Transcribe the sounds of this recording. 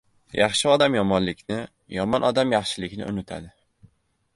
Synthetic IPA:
jʔɑχʃɪɒd̪amjɒmɒnlɪkʲnɪ | jɒmɒnʔɒd̪amjɑχʃɪlɪkʲnɪ̰ʊ̰nɪt̪ʰa̰d̪ɪ

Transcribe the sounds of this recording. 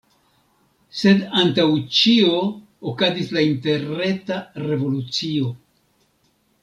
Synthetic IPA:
se̞dantawt͡ʃio̞ː | kazislainte̞ɾe̞tare̞vo̞lut͡sio̞

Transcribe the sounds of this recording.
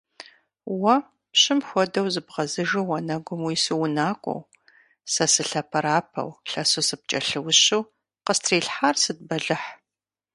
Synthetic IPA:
wɐ | pɕɪmxʷɔdɐwzɨbʁɐzɨʒɨwɐnɐɡʷʊmwiːsɨwʊnaːkʷʼɔ̰w | sɐsɨɬɐpʰɐɾaːpʰɐ̰wɬɐsusɨp̚t͡ʃʼɐɬɨwʊɕuw | qəstʰriːɬħarsɨd̚bɐɮɨħ

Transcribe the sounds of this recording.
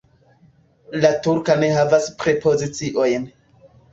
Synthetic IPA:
latuɾkane̞ɦavaspɾepʰo̞zit͡siʔo̞jn

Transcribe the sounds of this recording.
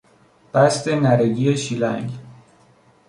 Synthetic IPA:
b̥æst̪e̞næɾeɟijeʃiːlæ̰ŋɡ

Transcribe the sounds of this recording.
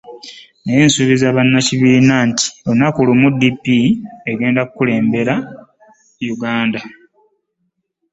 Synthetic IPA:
nejensuβizaβanːaciβiːnaːnti̥onakulumudːipːieɡe̞ːndakukule̞ːmbe̞ɾa | juɡaːnda

